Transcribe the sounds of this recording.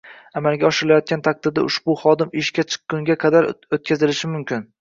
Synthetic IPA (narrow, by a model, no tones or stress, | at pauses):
amalɡʲaɒʃɪɾɪlajɒt̪̚kʲant̪ʰak̚d̪ɪd̪ɪ̰ʔʊʃbʊχɒd̪ɪmɪʃkʲat͡ʃʰɨ̥qːʊŋɡʲaqʰɑd̪aɾot̪̚kʰʲazɪlɪʃɪmʊmkʲɪn